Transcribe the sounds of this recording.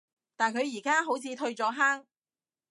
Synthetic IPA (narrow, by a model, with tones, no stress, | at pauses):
t̪aː˨nkʰɵ˨˧ɥjiː˨˩kaː˥ɦo˨˥wt͡sʰiː˨˧t̪ʰɵ˧ɥt͡sɔː˧ɦaː˥ŋ